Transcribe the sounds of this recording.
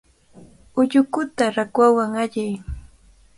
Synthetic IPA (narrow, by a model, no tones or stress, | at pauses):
ʊʎʊkʊt̪aɾakwawaŋaʎaj